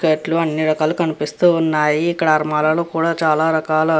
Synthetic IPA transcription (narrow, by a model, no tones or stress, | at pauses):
keːʈluɐnːiɾɐkaːlukɐnipist̪uːnːaːjiːkːɐɽɐɐɾmaːlɐluːkuːɽaːt͡ʃaːlaːɾɐkaːlɐ